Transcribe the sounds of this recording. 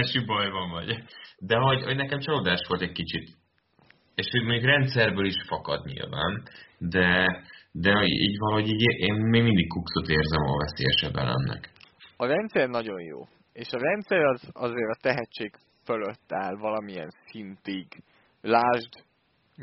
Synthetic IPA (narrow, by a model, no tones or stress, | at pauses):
ɛʃybɒjvɒɱvɒɟd̪ɛɦo̞ɟhoɟnɛkɛmt͡ʃɒloːd̪aːʃʋo̞lt̪ɛckit͡ʃit̪ | eːʃoɟmoɲɟukrɛnt̪sɛrbøːliʃfɒkɒd̪ɲḭlva̰ːnd̪ɛ | d̪ɛoḭːɟvɒlɒɦo̞ɟiːɟeʔeːnmeːɡmind̪ikkuksot̪eːrzɛmɒɦo̰lvɛseːjɛʃɛbːɛ̰lɛ̰nːɛ̰kɒɾɛnt̪sɛrnɒɟo̞njo̰ː | eːʃɒɾɛnt̪sɛɾɒzɒ̰zeːɾɒt̪ɛɦɛt͡ʃːeːk | føløt̪ːaːlvɒlɒmiɛ̰nsint̪iɡ | laːʒd̪